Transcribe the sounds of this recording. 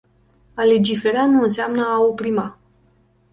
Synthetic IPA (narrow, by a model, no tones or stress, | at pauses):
ale̞d͡ʒife̞ɾanuɨnseamnəaopɾima